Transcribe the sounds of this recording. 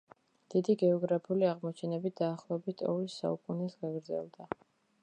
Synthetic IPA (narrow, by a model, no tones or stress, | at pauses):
d̪̥id̪iɡɛɔɡɾapʰuliaʁmɔt͡ʃʰɛnɛbit̪̚ʰd̪aːχlˠɔɛbit̪ʰɔ̰visːa̰ukʼunɛsɡaɡɾd̪zɛ̰lˠd̪a